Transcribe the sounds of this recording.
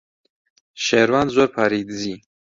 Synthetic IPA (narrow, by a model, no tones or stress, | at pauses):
ʃeɾwand̪zoɾpʰaɾid̪zi